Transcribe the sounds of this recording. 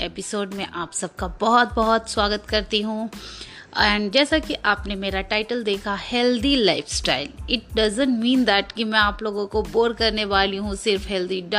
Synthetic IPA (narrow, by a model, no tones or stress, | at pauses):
eːpɪsoːɖmẽʔaːpsɐb̚kabɔɦɔt̪̚bɔɦɔt̪swaːɡət̪kɐɾt̪iɦũ | ɛːɳɖd͡ʒɛːsakiʔaːpnemeːɾaʈaːɪʈəld̪eːkʰahɛːld̪ilaːɪfsʈaːɪlɪʈ̚ɖɐzə̃nʈmĩːnd̪ɛʈkimɛ̃aːploːɡõkoboːɾkɐɾneʋaːliɦũsɪɾfɦɛːld̪iɖ